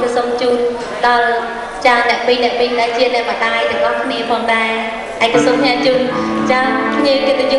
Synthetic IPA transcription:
kɑsomt͡ɕuːn | ɗɑl | t͡ɕaənːɛ̆əʔpiːnɛ̆əʔpiːɗaɛt͡ɕiənɛ̆əʔɓəɗaːjt̪ɨŋʔɑkʰniəpʰɑːŋɗaɛ | ʔaɛkːɑsuːmkʰɲaːt͡ɕuːnt͡ɕaənkʰɲiək̪iːɓaju

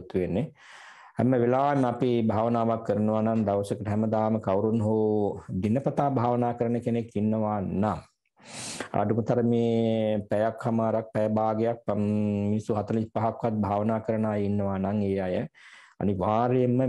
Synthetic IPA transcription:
t̪ːuʋenːe | hæ̰məʋelaːməapibʱaːʋənaːʋakːəɾənəʋanand̪aʋsəkəʈəɦɛməd̪aːməkawɾunɦoːd̪inəpɐt̪aːbʱaːʋənaːkəɾənːəkenekːinːəʋanaŋ | a̰ːʈumət̪aɾəmeːpæjakhamaːɾak̚pɛjəbaːɡejak̚misuɦat̪ɐlipaɦakʋat̪̚bʱaːʋənaːkəɾənaːjinːəʋanaŋeːajə | a̰niʋaːɾejemːə

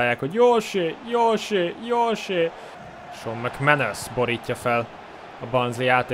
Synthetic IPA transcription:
jaːkhoɟjoːʃøjoːʃøjoːʃe | ʃomːɛkmɛnøsboɾiːcːɒfɛl | ɒbɒnzliaːt̪

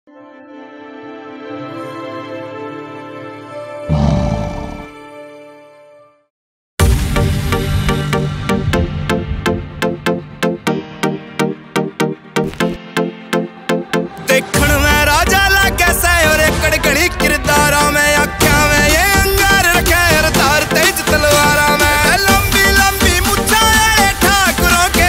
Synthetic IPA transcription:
d̪eːkʰəɳʋɛ̃ːɾaːd͡ʒaːlaːkɛːsɛːoːɾeːkəɽɡəɽ̃iːkɪɾd̪aːɾãːmɛ̃ːjãːkʰɪjãːʋɛ̃ːjẽːə̃ŋɡaːɾɾəkʰɛ̃ːɦəɾd̪aːɾt̪eːid͡ʒt̪əlʋaːɾãːʋɛ̃ːləmbiːləmbiːmʊt͡ʃʰaːjɛːeːʈʰaːkəɾoːkeː

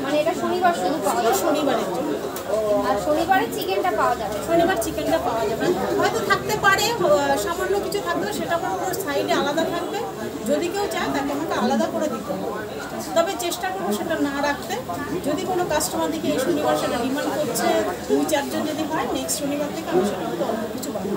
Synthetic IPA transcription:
maneeʈaʃonibaɾʃud̪ʱukaoʃonibaɾed͡ʑon | aʃonibaɾet͡ɕikeɳʈapaoad͡ʑabeʃonibaɾt͡ɕikeɳʈapaoad͡ʑabeɦɔet̪ot̪ʰak̚t̪epaɽeʃamanːokit͡ɕʰut̪ʰak̚beeʃeʈakonokonoɾst̪ʰajʈealad̪at̪ʰakbe | d͡ʑod̪ikewt͡ɕaet̪akeɛmʰoɳʈaalad̪akoɾed̪it̪eɦa | t̪ɔbet͡ɕeʃʈakoɾoʃeʈanaɾak̚ʰt̪e | d͡ʑod̪ikonokasʈobad̪ʱikeejʃonibaɾʃet̪ʰeɖimankoɾt͡ɕʰed̪ujt͡ɕaɾd͡ʑond͡ʑod̪iɦɔeneksʈʃonibaɾt̪ʰekeamaɾʃeʈakt̪oɔokit͡ɕʰubab

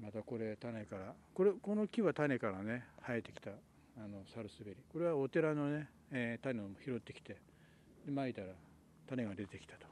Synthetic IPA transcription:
mat̪ako̞ɾe̞t̪ane̞kaɾa | koɾeko̞nokʲiβat̪ane̞kaɾane̞haet̪ːe̞̥kʲi̥t̪aː | no̞saɾɯ̟sɨbe̞ɾʲiko̞ɾe̞βaot̪e̞ɾano̞ne̞ | t̪aneomoçiɾo̞t̪ːe̞kʲi̥t̪e̞ | d̪e̞mait̪aɾa | t̪ane̞ɡad̪e̞t̪e̞kʲi̥t̪ḁt̪o̥

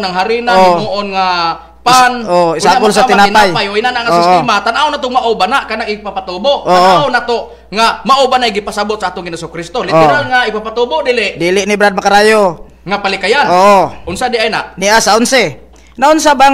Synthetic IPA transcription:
naŋɦaɾinaɡmoʔonŋa | panoisakuls̬at̪inanpajpajoinanaʔŋasoisimat̪anaonat̪ʊmaʔobanakanaŋipapat̪obooaaonat̪o | ŋamaʔobanajɡipasabʊt̪̚saat̪ʊŋɡinosokɾist̪olit̪ɛɾalŋaipapat̪obodilɪʔdiliʔnibɾad̪̚makaɾajo | ŋapalikajanoʔounsadiajna̰ʔniasaunse | nauns̬aba

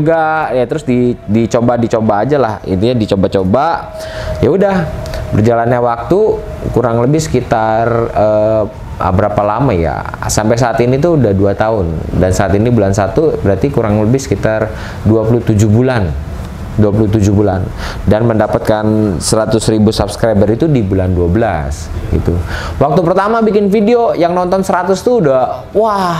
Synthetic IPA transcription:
uɡajat̪əɾʊsdidit͡ʃobadit͡ʃobaːd͡ʒalahḭnt̪iɲadit͡ʃobat͡ʃoba | jaudahbərd͡ʒalanɲawak̚t̪u | kuɾaŋləbɪhsə̥kit̪arə | a̰bəɾapalamaja̰ | sampajs̬aːt̪init̪uːdahduat̪aʊndansaat̪inibulansat̪ubəɾat̪ikuɾaŋləbɪhsə̥kit̪ar | duapulut̪ud͡ʒuhbulan | duapulut̪ud͡ʒubulan | danməndapat̪̚kansəɾat̪ʊsɾibusabskɾajbərit̪udibulanduabəla̰s | ɡḭt̪u | wak̚t̪upərt̪amabikɪnfideojaŋnɔnt̪ɔnsəɾat̪ʊst̪uːda | wah

